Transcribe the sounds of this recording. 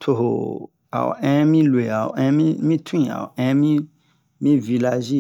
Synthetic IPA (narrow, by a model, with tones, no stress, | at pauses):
tʰo˨ɦo̰˨ | a̰˨w̰ɛ̃˦mĩ˦lwe˨a˨wɛ̃˧˦mĩ˦mĩ˦tʰũ˦ĩ˨a̰˨wɛ̃˧˦mĩ˦ | mĩ˦vi˧la˧ʒi˦˨